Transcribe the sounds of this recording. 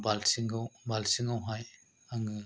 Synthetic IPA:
balsiŋɡɯwbalsiŋawɦaj | aŋɯ

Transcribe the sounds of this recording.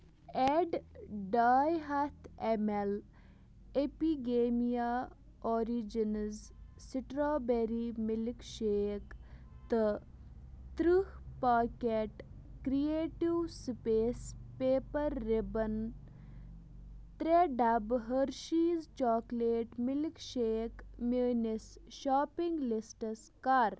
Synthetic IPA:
eɖɖaːjɦat̪ʰemel | epiɡeːmija | ɔːɾid͡ʒinzsiʈɾaːbeɾimilikʃeːk | t̪ɨ | t̪ɾuhpaːkeʈ | kɾieːʈiwspeːspeːpəɾːibɐn | t̪ɾeɖɐbɦəɾʃiːzt͡ʃɔːkleːʈmɪlikʃeːkmuːnisʃaːpiŋɡlisʈəs | kaːɾ

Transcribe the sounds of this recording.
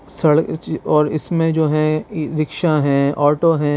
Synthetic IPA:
sɐɭɔːɾɪsmẽd͡ʒoːɦɛ̃ɾɪkʃaɦɛ̃ɔːʈoɦɛ̃

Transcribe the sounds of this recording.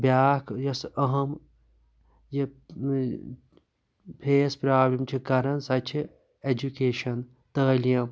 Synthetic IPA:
bjaːkjɐsɐɦɐm | ji | pʰeːspɾaːblʲɐmt͡ʃʰikɐɾɐnsɐt͡ʃʰi | ed͡ʒukeːʃɐn | t̪ɐɐlijɐm

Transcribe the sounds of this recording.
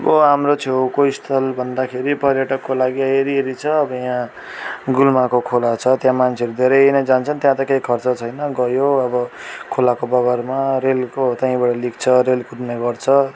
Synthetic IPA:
bʌɦamrot͡sʰewkoist̪ʰʌlbʱʌnd̪akʰeɾipʌɾjʌʈʌkːolaɡiaeɾiɦeɾit͡sʰʌːbʌjã | ɡulmakokʰolat͡sʰʌt̪jãmant͡sʰeʌɾud̪ʱeɾʌjnʌjd͡zant͡sʰʌnt̪jãt̪ʌkejkʰʌrt͡sʌt͡sʰʌjnʌɡʌjoʌbʌkʰolakobʌɡʌrmaɾelkot̪ãĩbaʈʌlikt͡sʰʌɾelkuɾneɡʌrt͡sʰʌ

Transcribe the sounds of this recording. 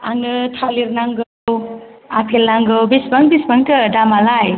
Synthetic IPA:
aŋɯtʰaliɾnaŋɡo | wapʰelnaŋɡəwbisbʌŋbisbʌŋt̪ʌdamalaj

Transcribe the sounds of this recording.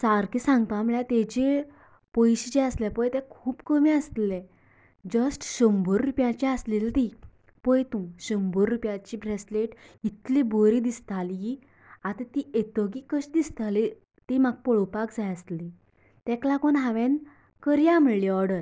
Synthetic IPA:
saɾkisãŋɡ̚t̪ãməɭjãt̪ed͡ʑe | pəjɕid͡ʑɛəslɛpəjt̪ɛkʰuːpkəmiəst̪lɛ | d͡ʑəsʈɕəmbʱəɾːupjãt͡ɕiaslilt̪i | pəjt̪ũɕəmbəɾːupjãt͡ɕibɾesleʈit̪liboɾid̪ist̪ali | at̪at̪iet̪əɡikəɕd̪ist̪ali | t̪imaɡ̚pɔɭɔpakd͡zajəst̪li | t̪ɛklakɔnɦaʋẽn | kəɾjam̤əɭliɔɾɽəɾ

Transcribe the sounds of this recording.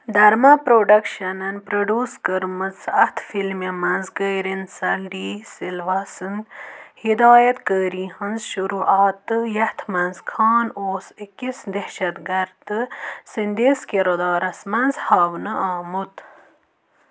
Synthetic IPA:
d̪ɐɾmɐpɾoːɖɐkʃɐnɐnpɾɐɖuːskəɾmɐzɐht̪ʰfilmemɐnzkəːɾinsɐlɖiːsilʋɐsɨnhid̪aːjɐt̪kəːɾĩːhɐnzʃuɾuːʔaːt̪ɨjɐht̪ʰmɐnzkʰɑːnoːsikisd̪ehʃɐt̪ɡɐɾt̪ɨsind̪eskeɾod̪ɑːɾɐsmɐnzhɐːʋnɨʔaːmut̪

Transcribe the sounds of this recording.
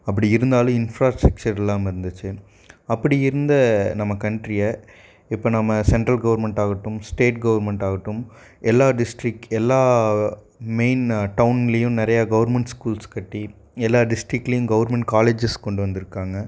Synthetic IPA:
ɐp̬ːɐɽiɪɾɯnd̪aːlɯ̃ɪnfɾaːsʈɾɐk̚t͡ʃɐɾlãːmɪɾɯnd̪ɯt͡ʃːɯ | ɐpːɐɽɪɪɾɯnd̪ɐnɐmːɐkɐɳʈɾɪjɐ | ɪpːoːnɐmːɐsɛɳʈɾɐlɡɐʋɐɾmɛɳʈaːɣɐʈːɯmsʈeːʈ̚ɡɐʋɐɾmɛɳʈaːɣɐʈːɯm | ʔɛlːaːɖɪsʈɾɪkːɛlːaː | meɪnʈɐʋʊnɡɐɭɐjʊ̃nɪɾɐjaːɡɐʋɐɾmɛɳʈskuːlskɐʈːi | ɛlːaːɖɪsʈɾɪkːlɐjʊ̃ɡɐʋɐɾmɛɳʈkaːleːd͡ʒɐskɔɳɖɯʋɐnd̪ɪɾɯkːaːŋɡɐ

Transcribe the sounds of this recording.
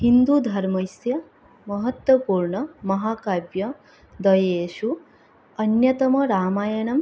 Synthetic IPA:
hind̪ud̪ʱɐɾmɐjsjɐ | mɐɦɐt̪wɐpuːɾɳɐmɐɦaːkaːbjɐ | d̪ɐjeːʃu | ɐnjɐt̪ɐmɐɾaːmaːjɐnɐm

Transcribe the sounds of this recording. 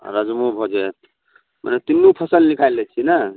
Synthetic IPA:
ɾad͡ʒmõbʱɔd͡ʒe | mʔə̰net̪inːupʰəsəlnikʰajlːet͡ʃʰinə

